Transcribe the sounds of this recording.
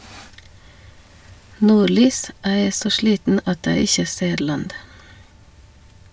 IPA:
ˈnuːˌɭyːs ˈæː ˈeː ˈsoː ˈʃliːtn̩ ˈɑt ˈæː ˈɪçə ˈseː ˈɭɑnd

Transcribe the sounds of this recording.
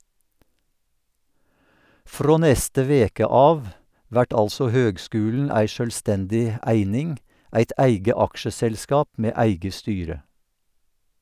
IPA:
ˈfɾoː ˈnɛstə ˈʋeːkə ˈɑːʋ ˈʋæʈ ˈɑlsɔ ˈhøːɡˌskʉːln̩ ˈæɪ ˌʃœlˈstɛndɪ ə ˈæɪnɪŋ ˈʔæɪt ˈæɪɡə ˈɑkʃəsɛlˌskɑːp ˈmeː ˈæɪɡə ˈstyːɾə

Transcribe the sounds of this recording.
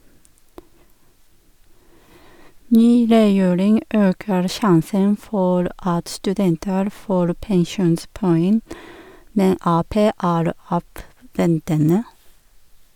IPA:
ˈnyː ɾɛˈjeːɾɪŋ ˈøːkəɾ ˈʃɑnsən ˈfɔɾ ˈɑt stʉˈdɛntəɾ ˈfoːɾ pɛŋˈʃuːnspɔˌɛŋ ˈmɛn ˈɑːˌpeː ˈæːɾ ˈɑːʋˌʋɛntənə

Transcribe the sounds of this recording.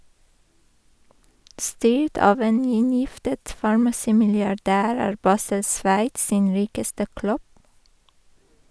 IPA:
ˈstyːʈ ˈɑːʋ ˈeːn ˈɪnjɪftət fɑɹmɑˈsiːmɪlɪɑˌɖæːɾ ˈæːɹ ˈbɑːsəl ˈsʋæɪts ˈsiːn ˈɾiːkəstə ˈklʉb

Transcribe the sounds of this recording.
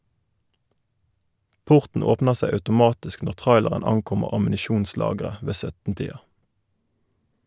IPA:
ˈpʊʁtɳ̩ ˈoːpnə ˈseɪ ɑʉtʊˈmɑːtɪsk ˈnɔʁ ˈtʁɑɪləʁən ˈɑŋˌkʊməʁ ɑmn̩ɪˈʃuːnˌslɑːɡʁə ˈʋeː ˈsœtn ˈtiːɑ

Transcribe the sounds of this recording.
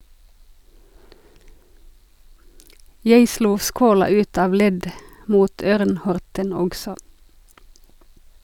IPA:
ˈjæɪ ˈʃluː ˈskoːlɑ ˈʉːt ˈɑːʋ ˈlɛd ˈmuːt ˈøːʁn ˈhɔʁtən ˈɔksɔ

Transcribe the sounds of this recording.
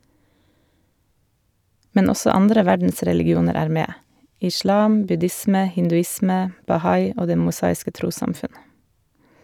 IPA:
ˈmɛn ˈɔsɔ ˈɑndɾə ˈʋæɖn̩sɾɛlɪɡɪˌuːnəɾ ˈæːɾ ˈmeː ɪˈʃɭɑːm bʉˈdɪsmə hɪndʉˈɪsmɛ bɑˈhɑɪ ˈoː ˈdeː mʊˈsɑːɪskə ˈtɾuːsɑmˌfʉn

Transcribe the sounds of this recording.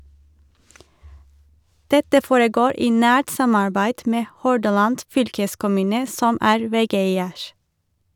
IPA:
ˈdɛtə ˈfoːɹəˌɡoːɹ ˈiː ˈnæːʈ ˈsɑmɑɹbæɪd ˈmeː ˈhɔɖɑlɑnd ˈfʏlkəskʊˌmʉːnə ˈsɔm ˈæːɹ ˈʋɛˌɡeɪəɹ

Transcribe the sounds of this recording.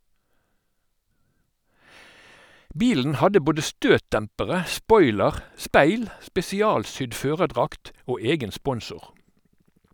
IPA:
ˈbiːln̩ ˈhɑdə ˈboːdə ˈstøːtˌdɛmpəʁə ˈspɔʏləʁ ˈspæɪl spɛsɪˈɑːlˌsʏd ˈføːʁəˌdʁɑkt ˈoː ˈeːɡən ˈspɔnsʊʁ

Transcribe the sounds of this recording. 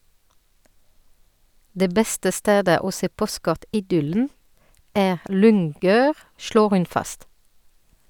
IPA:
ˈdeː ˈbɛstə ˈsteːdə ˈoː ˈseː ˈpɔˌskɔʁtɪˌdʏln̩ ˈæːʁ ˈlʏŋˌɡøːʁ ˈʃɭoːʁ ˈhʉn ˈfɑst

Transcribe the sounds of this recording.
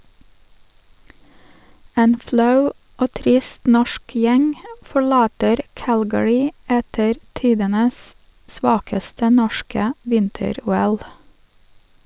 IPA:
ˈeːn ˈflɑʉ ˈoː ˈtɾɪst ˈnɔʃk ˈjɛŋ fɔɹˈlɑːtəɾ ˈkælɡəɹɪ ˈɛtəɾ ˈtiːdənəs ˈsʋɑːkəstə ˈnɔʃkə ˈʋɪntəˌɾuːɛl

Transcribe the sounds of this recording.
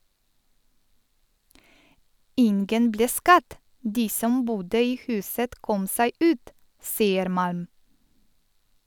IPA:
ˈɪnɡən ˈbleː ˈskɑd ˈdiː ˈsɔm ˈbuːdə ˈiː ˈhʉːsət ˈkɔm ˈsæɪ ˈʉːt ˈsiːəɾ ˈmɑlm

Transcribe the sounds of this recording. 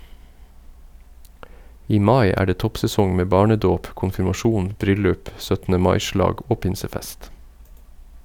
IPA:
ˈiː ˈmɑɪ ˈæː ˈɖeː ˈtɔpsɛˌsɔŋ ˈmeː ˈbɑːɳəˌdoːp kʊnfɪɾmɑˈʃuːn ˈbɾʏlʉp ˈsœtn̩ə ˈmɑɪ ˈʃlɑːɡ ˈoː ˈpɪnsəˌfɛst

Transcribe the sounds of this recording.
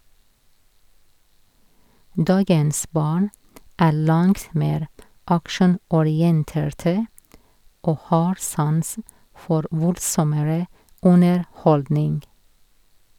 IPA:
ˈdɑːɡəns ˈbɑːɳ ˈæː ˈɭɑŋt ˈmeːɾ ˈɑkʃɳ̩ɔˌɾɪənteːɹtə ˈoː ˈhɑːɾ ˈsɑnsn̩ ˈfɔɾ ˈʋʊldsɔməɹə ˌʊnəɹˈhɔldnɪŋɡ

